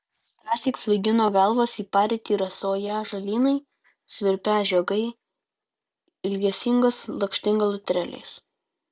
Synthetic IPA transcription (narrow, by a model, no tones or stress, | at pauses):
t̪ɾɑːsʲiːˑksʋɐɪɡʲɪnoːɡɐlˠʋoːsiːpɑːɾʲɪt̪ʲiːɾɐsoːjæːʒɐlʲiːnɐɪ | sʲʋʲɪɾʲpʲæːʒʲɛɡɐɪ | ɪlʲɡʲɛsʲɪŋɡoslˠɐkʃʲt̪ʲɪŋɡɐlˠʊt̪ʲɾʲɛlʲḛːs